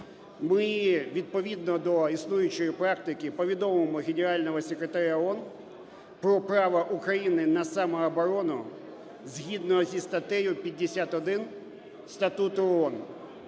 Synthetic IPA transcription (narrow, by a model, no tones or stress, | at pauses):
mɪʋʲid̪̚pɔʋʲid̪nɔd̪ɔisnujʊt͡ʃɔjipɾɑkt̪ɪkɪpɔʋʲid̪ɔmemɔɣʲenʲeɾɑlʲnɔɦɔsʲekɾet̪aɾʲaɔn | pɾɔpɾɑʋɐʔukɾɐjinɪnɐsɑmɐːbɔɾɔnɔ | zʲɦʲid̪nɔɦɔzʲist̪ɐt̪ɛjʊpʲid̪̚ʲːesʲat̪ɔd̪ɪn | st̪ɐt̪ut̪ʊɔɔn